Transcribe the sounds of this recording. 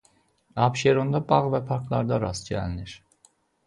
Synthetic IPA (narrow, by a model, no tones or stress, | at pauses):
ɑbʃeɾo̞nd̪ɑbɑʁvæpʰɑɾkʰlˠɑɾd̪ɑɾɑsɟæ̰liniɾ